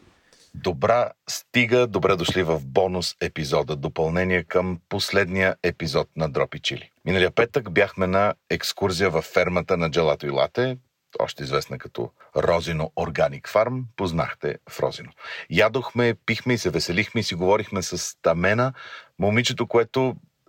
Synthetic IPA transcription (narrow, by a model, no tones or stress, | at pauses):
d̪obɾast̪iɡəd̪obɾɛd̪oʃlivɐfbɔnʊsɛpizɔd̪əd̪opɐlˠnɛniɛkəmposlɛd̪nijəɛpizɔt̪̚nɐd̪ɾɔpit͡ʃḭlḭminəliəpɛt̪əkbjaxmɛnɐɛkskuɾzijəvɐfːɛɾmət̪ənɐd͡ʒɛlˠat̪oilˠa̰t̪ɛ | ɔ̰ʃt̪ɛizvɛsnəkɐt̪ɔ̰ | ɾɔzinooɾɡanikfaɾmpozna̰xt̪ɛ̰fɾɔ̰zinojad̪oxmɛpixmɛisɛvɛsɛlixmɛisiɡovɔɾixmɛsəst̪ɐmɛnəmomit͡ʃɛt̪okoɛt̪o